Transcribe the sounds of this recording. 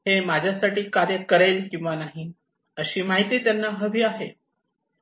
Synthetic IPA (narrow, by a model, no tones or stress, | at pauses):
ɦemad͡ʑʱjasaʈiːkaɾjəkəɾelkĩw̃ʋanaɦi | əɕiːmaɦit̪iːt̪janːaɦəʋiːaɦe